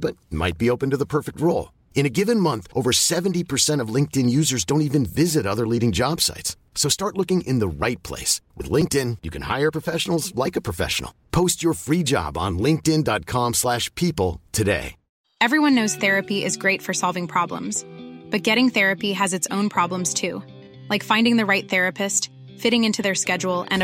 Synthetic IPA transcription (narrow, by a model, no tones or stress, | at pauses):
b̥ʌt̚ma̰ɪt̚b̥ioʊpɨ̃n̩tɨðəpʰɜ˞fɨk̚t̚ɹoʊlˠ | ɨ̃ñɨɡɪvɨ̃nmʌ̃nθʔoʊvə˞sɛvntipʰə˞sɛ̃ɾ̃ʌvlɪ̃ŋk̚tɨ̃njʉzə˞zdõʊ̃ntivɨ̃nvɪzɨɾʌðə˞liɾɪ̃ŋd͡ʒɑb̥sa̰ɪtsːoʊstɑɹtˡlʊkɪ̃ŋʔɨ̃nðəɹaɪt̚pʰl̥ḛɪswɨ̰ðlɪ̃ŋk̚tɪ̃njɨkʰɨ̃nha̰ɪə˞pʰɹ̥əfɛʃn̩l̩ˠzlaɪkɨpʰɹ̥ɨfɛ̰ʃn̩̰l̩ˠpʰoʊst͡ʃə˞fɹid͡ʒɑ̰b̃n̩lɪ̃ŋk̚tɪ̃ndɑt̚kʰɑ̃mslæʃpʰipl̩ˠtʰɨdḛɪ | ɛvɹiwʌ̃nːoʊz̥θɛɹɨpiʔɪzɡɹeɪtfə˞sɑlˠvɪ̃ŋpʰɹ̥ɑblə̰̃mz̥b̥ʌt̚ɡ̥ɛɾɪ̃ŋθɛɹɨpiɨzɨtsõʊ̃npʰɹ̥ɑblə̃mz̥tʰʉ | laɪkfãɪ̃ndɪ̃ŋðɨɹaɪt̪̚θɛɹɨpʰɨst | fɪɾɪ̃ŋɪ̃ntʰʉðə˞skɛd͡ʒul̩ˠɨ̰̃n